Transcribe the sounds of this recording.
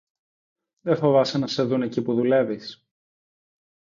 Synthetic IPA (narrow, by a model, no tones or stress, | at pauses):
ðefo̞vɐsenɐse̞ðune̞cipuðule̞vis